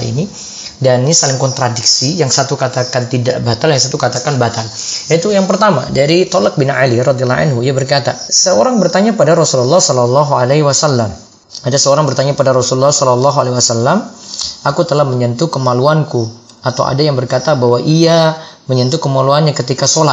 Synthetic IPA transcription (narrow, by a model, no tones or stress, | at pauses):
ḭni | danisalɪŋkɔnt̪ɾadiksijaŋsat̪ukat̪akant̪idaʔbat̪aljaŋsat̪ukat̪akanbat̪aljait̪ujaŋpərt̪ama̰daɾit̪ɔlak̚bɪnʕa̰lirɔd̪ialːɔʔa̰nɦuiabərkat̪a̰səoɾaŋbərt̪aɲapadaɾɔsululːahsɔlɔlːɑɦualeɦiwasalːam | adasəoɾaŋbərt̪aɲapadaɾɔsululːɔhsɔlɔlːɔɦualewasalːamakut̪əlahməɲənt̪ukəmaluanku | at̪a̰wʔa̰dajaŋbərkat̪abawaʔia | məɲənt̪̬ukəmaluanɲakət̪ikasola